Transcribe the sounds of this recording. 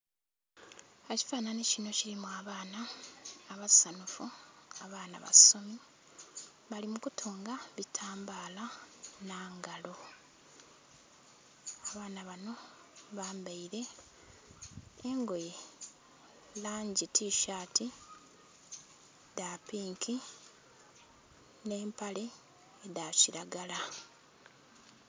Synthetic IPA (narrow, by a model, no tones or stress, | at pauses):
eci̥faːnanecino̞ciɾimuaβaːnaː | βassanufuaβaːna̰βa̰so̞mi | βalimukutʰoːŋɡaβitʰaːmbaːlanaːŋɡalo̞ | aβaːnaβano̞ | βaːmbaiɾe̞ | ŋɡo̞je | laːɲɟitʰiːʃaːti | daːpiːŋkʰi | ne̞ːmpaleː | daciɾaɡala